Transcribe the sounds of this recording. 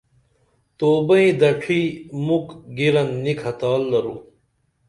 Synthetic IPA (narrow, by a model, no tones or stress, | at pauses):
t̪oːbɐĩd̪ɐʈʰiːmukɡiɾɐnːikʰɐt̪aːlːɐɾũː